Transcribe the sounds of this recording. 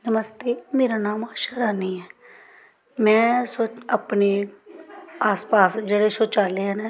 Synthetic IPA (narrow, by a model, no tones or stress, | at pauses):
nəməst̪eːmeːɾaːnaːmaːʃaːɾaːniːɛː | mɛ̃ːsoapneː | aːspaːsd͡ʒeːɽeːsoːt͡ʃaːleːɦɛːna